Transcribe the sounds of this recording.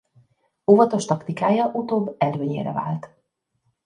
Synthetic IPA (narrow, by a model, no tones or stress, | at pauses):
ovɒt̪o̞ʃt̪ɒkt̪ikaːjɒʔut̪oːbːɛløːɲḛːɾɛ̰va̰ːlt̪